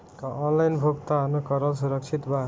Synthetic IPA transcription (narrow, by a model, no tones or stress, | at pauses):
kaʔʌnlajnbʱoɡt̪aɦʌnokʌɾʌls̬uɾʌk̚t͡sʰit̪ba